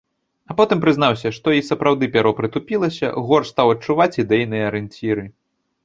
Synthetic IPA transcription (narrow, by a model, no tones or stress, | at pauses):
ɐpɔt̪ɨmpɾɨznawsʲɐʂt̪ɔisɐpɾawd̪ɨpʲaɾɔpɾɨt̪upʲilˠɐsʲɐ̰ɣɔrst̪awɐt͡ʂuvat͡sʲid̪ɛjnɨjɐɐɾɛnʲt͡sʲiɾɨ